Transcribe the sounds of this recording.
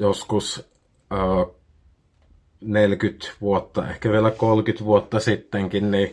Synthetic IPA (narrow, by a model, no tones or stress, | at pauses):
joskusː | nelkyt̪ʋuot̪ːɑ̰ḛhkæʋielækolkyt̪ʋuot̪ːɑsit̪ːeŋkinni